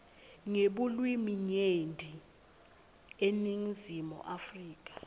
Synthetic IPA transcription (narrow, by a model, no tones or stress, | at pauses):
ŋeɓulwimiɲendʱi | eniŋizimɔ̰ʔafriːk̬ʼḁ